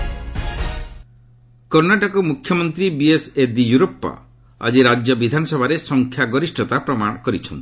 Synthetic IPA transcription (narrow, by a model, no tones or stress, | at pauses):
kɔɾnaʈɔkɔmukʰjɔmɔnt̪ɾibiesed̪ijuɾopːɔ̰ | a̰d͡ʒiɾad͡ʒjɔbid̪ʱanɔsɔbʱaɾesɔŋkʰjaɡɔɾisʈɔt̪apɾɔmaɽ̃ɔkɔɾit͡ʃʰɔnt̪i̥